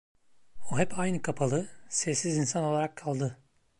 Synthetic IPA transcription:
oɦɛpajnɯkʰapʰalˠɯsɛsizinsanolˠaɾakʰːalˠd̪ɯ

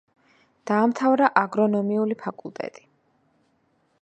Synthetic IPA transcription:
d̪̥aːmt̪ʰavɾaʔaɡɾɔnɔmiulipʰakʼulˠt̪ʼɛ̰t̪ʼi̥

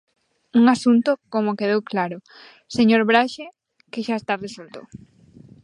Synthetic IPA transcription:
uŋasunt̪ʊkomokeð̞ewklaɾʊ | seɲoɾβɾaʃe | keʃaest̪aresult̪o̰

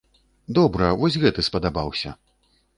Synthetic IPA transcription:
d̪ɔbɾɐvɔsʲɣɛt̪ɨspɐd̪abawsʲɐ̰

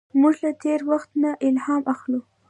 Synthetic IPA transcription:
mʊʒlat̪eɾwaxt̪naʔɪlhɑmʔaxlu

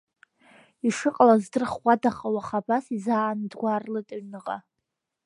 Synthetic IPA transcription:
iʂɨqʼlazdɨrχʷadaχʼawaχabasizaːnɨdɡʷarlɨtʼaɥnɨqʼa

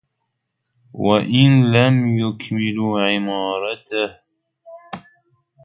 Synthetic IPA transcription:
waʔɪnlamjʊkmɪluːʕɪmɑːɾˤɑt̪ah

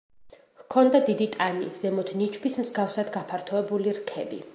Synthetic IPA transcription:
hkʰɔnd̪ad̪id̪it̪ʼanḭz̥ɛmɔt̪ʰnit͡ʃʰbismzɡafsad̪ɡapʰaɾt̪ʰɔɛbuliɾkʰɛbḭ

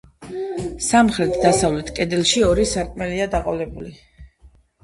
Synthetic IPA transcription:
samχɾɛt̪ʰd̪asavlɛt̪ʰkʼɛd̪ilˠʃiɔɾisaɾkʼmɛliad̪aqʼɔlɛbuli

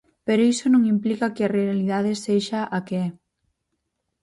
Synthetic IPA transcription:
peɾoisonõŋimplikɐkɪarealiðað̞eseʃaʔakeɛ

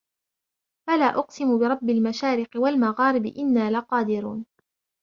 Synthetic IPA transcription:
falaːʔʊqsɪmʊbɪɾˤɑbːɪlmaʃaːɾɪqɪwalmaɣaːɾɪbɪ̰ʔɪnːaːlaqɑːd̪ɪɾuːn

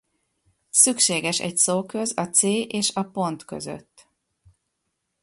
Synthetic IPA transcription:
sykʃeːɡɛʃɛ̰csoːkøzɒt̪seːʔeːʃɒpo̞nt̪kø̞̰zø̰t̪ː

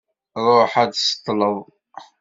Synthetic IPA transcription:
ɾˤoħæd̪sə̥t̪ˤːləðˤ

